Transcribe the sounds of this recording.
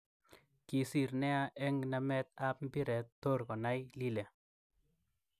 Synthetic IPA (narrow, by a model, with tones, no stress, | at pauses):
ki˨si˨ɾnɛ˦a˦ʔɛ˦ŋna˨mɛ˦t̪̚a˦p̚m˦bi˦ɾɛ˨tːo˦ɾkɔ˨na˦jli˦lɛ˨